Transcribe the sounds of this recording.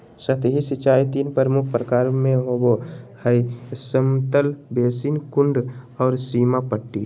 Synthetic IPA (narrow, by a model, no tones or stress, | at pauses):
sət̪ɦisit͡ʃaːit̪iːnpəɾmukʰpɾəkaːɾmẽɦobohəisəmt̪əlbeːsinkʊɳɖɔːɾsiːmapəʈːi